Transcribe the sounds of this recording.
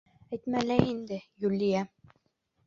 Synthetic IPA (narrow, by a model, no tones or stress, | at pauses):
æjt̪mælæind̪ɘjʉlːijæ